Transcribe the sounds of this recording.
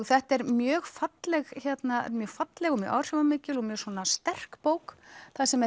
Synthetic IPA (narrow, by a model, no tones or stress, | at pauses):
θɛht̪ɛɾmjœːɣfat̪lɛɣçɛt̪naɛ̰mjœːɣfat̪lɛɣɔɣmjœ̰ʔa̰wr̥jɔvamɪːcɪlɔɣmjœːɾ̥swɔːnast̪ɛr̥kpoːwkθasɛmɛ